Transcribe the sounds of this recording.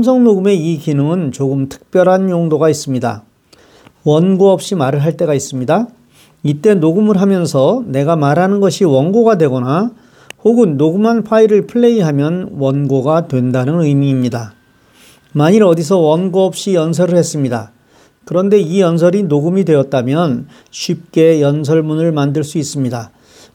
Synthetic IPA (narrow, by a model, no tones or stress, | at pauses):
msʰʌŋnoɡɯme̞ikinɯŋɯnt͡ɕoɡɯmtʰɯ̥k̚p͈jʌɾɦanjoŋdoɡais͈ɯmɲida̰ | wʌnɡoʌp̚ɕ͈imaɾɯɭɦaɭt͈e̞ɡais͈ɯmɲida | it͈e̞noɡɯmɯɭɦamjʌnsʰʌne̞ɡamaɾɦanɯnɡʌɕʰiwʌnɡoɡadwe̞ɡʌna | hoɡɯnːoɡumɦanpʰaiɾɯɭpʰɯɭːe̞iɦamjʌnwʌnɡoɡadwe̞ndanɯnɯjmiːmɲida | maɲiɾʌdis̬ʰʌwʌnɡoʌp̚ɕ͈ijʌns̬ʰʌɾɯɭhe̞s͈ɯmɲida | kɯɾʌnde̞ijʌns̬ʰʌɾinoɡumidwe̞jʌt̚t͈amjʌn | ɕʰɥip̚k͈e̞jʌnsʰʌɭmunɯɭmandɯɭs͈uis͈ɯmɲida